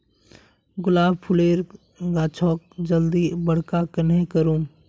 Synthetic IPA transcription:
ɡʊlaːb̚pʰʊleːɾ | ɡaːt͡ʃʰɔːk̚d͡ʒəld̪ibəɽ̤kakənẽkəɾũː

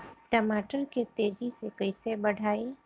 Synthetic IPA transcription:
ʈɐmaːʈəɾket̪eːd͡ʒisekɐisebɐɽ̤ʱaːe

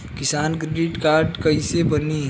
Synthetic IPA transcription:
kɪsaːnkɾeɖɪʈkaːɾɖkəisebəni

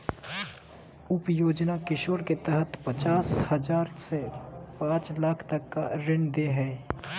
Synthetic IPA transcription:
ʊpjoːd͡ʒnakɪʃoːɾket̪əɦət̪pət͡ʃaːshəd͡ʒaːɾsepãːt͡ʃlaːkʰt̪ɐkːa̰ɾɪ̃ɳd̪eɦɛː

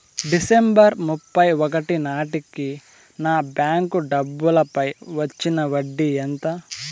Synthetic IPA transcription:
ɖisembɐɾmupːɐjɔk̬ɐʈinaːʈiki | naːbjaːŋkuɖɐbːulɐpɐjʋɐt͡ʃːinɐʋɐɖːiɛnt̪ɐ

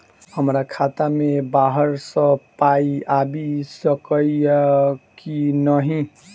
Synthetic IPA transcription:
həmɾakʰat̪amebaɦəɾsʌ̃paiabisʌkʌ | kinʌɦĩ

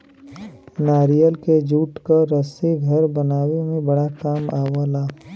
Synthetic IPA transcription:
naːɾijəlked͡ʒuːʈkaɾəseɡʱɐɾbɐnaːwemẽbɐɽakaːmaːʋəlaː

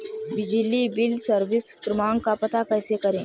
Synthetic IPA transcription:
bɪd͡ʒilibɪlsəɾʋɪskɾɪmaːŋkapɐt̪akɐjsekəɾẽː

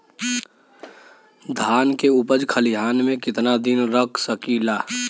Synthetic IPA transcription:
d̪ʱaːnkeʊpəd͡ʒkʰəliɦaːnmẽkɪt̪nad̪ɪnɾəkʰsəkilaː

